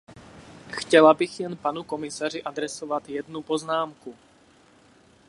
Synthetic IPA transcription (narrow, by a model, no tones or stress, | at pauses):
xcɛlabiɣjɛnpanukɔmisaːɾiʔad̪ɾɛsɔʋad̪jɛd̪nupɔznaːmku